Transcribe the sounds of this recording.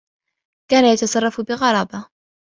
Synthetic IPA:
kaːnajat̪ɑsˤɑrˤːɑfbɪɣɑɾˤɑːba

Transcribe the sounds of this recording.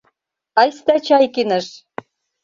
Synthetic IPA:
ɑjst̪æt͡ɕɑjkinə̆ʃ

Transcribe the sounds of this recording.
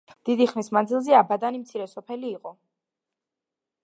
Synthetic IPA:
d̪̥id̪iχnismand̪zilˠzɛabad̪animt̪sʰiɾɛsɔpʰɛliːqʼɔ

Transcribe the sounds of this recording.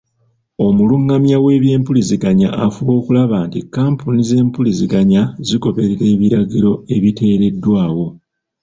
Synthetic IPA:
o̞muluŋːamjawe̞ːβje̞ːmpuliziɡaɲa̰ʔafuβo̞ːkulaβaːntikaːmpunize̞ːmpuliziɡaɲaziko̞βe̞ɾeɾe̞ːβiɾaɟiɾo̞e̞βite̞ːɾe̞dːwaːwo̞

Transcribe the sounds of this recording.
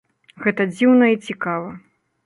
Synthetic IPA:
ɣɛt̪ɐd͡zʲiwnɐit͡sʲikavɐ

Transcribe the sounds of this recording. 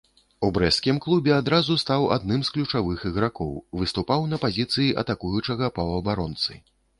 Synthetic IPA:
ubɾɛskʲimklˠubʲɛad̪ɾazust̪awa̰d̪nɨmsklʲut͡ʂavɨxiɣɾakɔ̰wvɨst̪upawnɐpazʲit̪sɨjiʔɐ̰t̪akujut͡ʂɐɣɐpɐwɐbaɾɔnt̪sɨ̰

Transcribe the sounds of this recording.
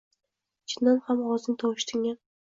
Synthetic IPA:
t͡ʃʰɪnːanhamʁɒzɪŋt̪ʰɒwɪʃt̪ʰɪŋʲan

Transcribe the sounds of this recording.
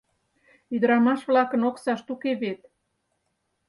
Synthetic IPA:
yd̪əɾɑmɑʃβlɑkənoksɑʃt̪ukeβet̪̚

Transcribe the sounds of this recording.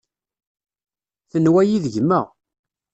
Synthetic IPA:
θənwæjiðəʝmːəʁ

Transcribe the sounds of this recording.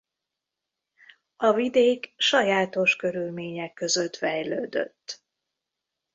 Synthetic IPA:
ɒvid̪eːkʃɒjaːt̪o̞ʃkø̞ɾylmeːɲɛkːø̞zøt̪fɛjlø̰ːd̪ø̰t̪ː

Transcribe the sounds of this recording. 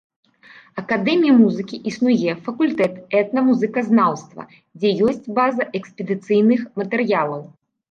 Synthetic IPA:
ɐkad̪ɛmʲijɐmuzɨkʲiʔisnujɛfɐkulʲt̪ɛt̪ɛt̪nɐmuzɨkɐznawst̪vɐ̰ | d͡zʲɛjɔsʲt͡sʲbazɐʔɛkspʲɛd̪ɨt̪sɨjnɨxmɐt̪ɛrjalˠɐw

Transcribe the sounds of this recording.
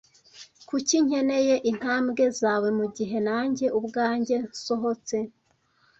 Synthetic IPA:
kuciɲ̥e̞ne̞je̞ʔin̥haːmɡe̞zaːwemuɟiɦe̞naːɲɟe̞ʔubɡaːɲɟe̞so̞ɦo̞t͡se̞

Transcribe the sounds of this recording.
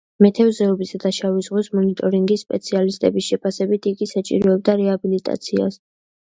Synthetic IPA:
mɛt̪ʰɛvzɛɔbisad̪̥aʃavizʁwismɔnit̪ʼɔɾiŋɡisːpʼɛt̪sʰialist̪ʼɛbisʃɛpʰasɛbit̪ʰiɡisat͡ʃʼḭɾɔɛb̚d̪aɾɛabilit̪ʼa̰t̪sʰia̰s

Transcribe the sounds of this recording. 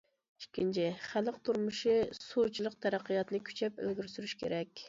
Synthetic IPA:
i̥ʃkʲʰːint͡ʃʰɪχælˠəqt̪ʰuɾmuʃisut͡ʃʰilˠəq̚t̪ʰæɾæqːijɑt̪nɨkʲʰy̥t͡ʃʰɛpø̰lɡʲyɾsyɾyʃkʲʰḛɾɛkʲ

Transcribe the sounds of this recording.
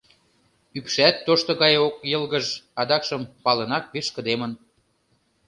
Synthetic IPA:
ypʃæt̪ːoʃt̪ŏɣɑjok̚jɤ̆lɣəʒɑd̪ɑkʃəmpɑlənɑk̚βerʃkə̆d̪emən

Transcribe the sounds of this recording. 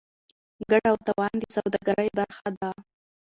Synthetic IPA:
ɡaɽawt̪awɑnd̪əsawd̪ɑɡaɾəjbaɾxad̪a

